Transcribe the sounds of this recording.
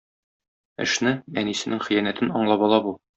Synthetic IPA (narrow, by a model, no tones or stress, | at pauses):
ɘ̰̆ʃnɘæ̰nisɘ̆nɘŋχɘ̆jænæt̪ɘnɒɴlˠɑbɒlˠɑbu